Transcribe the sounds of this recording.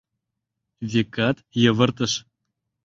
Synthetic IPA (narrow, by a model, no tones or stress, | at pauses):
vʲekɑt̪jɤ̆və̆rt̪ə̆ʃ